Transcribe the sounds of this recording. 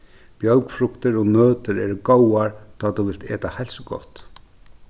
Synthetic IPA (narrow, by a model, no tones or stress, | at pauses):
pjœlkfɾʊkt̪ɪɾɔnøːt̪ɪɾɛ̰ːɾkowaɹt̪ʰaːt̪uʋɪlt̪ḛːt̪ahɛlsɡɔ̰ht̪